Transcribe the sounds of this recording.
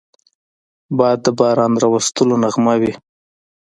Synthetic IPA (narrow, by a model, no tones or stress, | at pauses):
bɑjad̪ːəbɑɾɑnɾɑwast̪əlonaɣmawi